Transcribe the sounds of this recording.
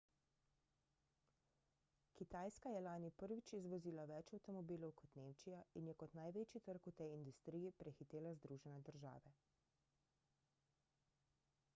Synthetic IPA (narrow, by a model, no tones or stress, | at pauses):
kit̪aːjskajɛlaːnipəɾʋit͡ʃizʋɔziːlaʋɛt͡ʃawt̪ɔmɔbiːlɔwkʰɔt̪neːmt͡ʃijainjɛkɔt̪najʋeːt͡ʃit̪əɾkut̪ɛjind̪ust̪ɾijipɾʔɛxit̪eːlazd̪ɾuʒɛnɛd̪əɾʒa̰ːʋɛ